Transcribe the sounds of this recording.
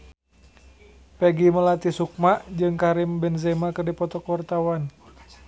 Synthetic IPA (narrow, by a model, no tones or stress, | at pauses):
pɛɡiməlat̪isuk̚maʔd͡ʒɨŋkaɾimbɛnzɛmakərdipɔt̪ɔkwart̪awan